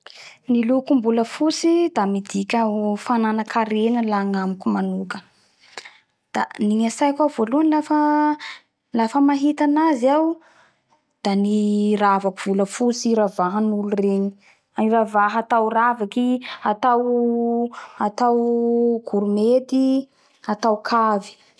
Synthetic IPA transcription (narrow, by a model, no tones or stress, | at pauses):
nilukumbuləfusid̪amid̪ikʲafananakʰaɾenəlaŋamikumanukə | d̪̥a̰niɲasajkavoluanlafə | lafəmaɦit̪anaziaw | d̪̥aniravakuv̥uləfut͡siɾavaɦənulureɲi̥ | iravaɦat̪awravakiat̪aw | at̪awɡ̥uɾumet̪i | at̪awkʰavi̥